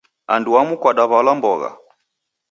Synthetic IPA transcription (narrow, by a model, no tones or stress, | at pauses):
anduamukwaɗaβalambɔɣa̰